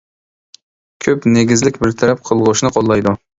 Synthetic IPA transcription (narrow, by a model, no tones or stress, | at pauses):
kʲʰøpneɡʲizlɪkʲbɪɾt̪ʰɛɾɛp̚qʰəlˠʁʊʃnɨqʰolˠːɑjd̪u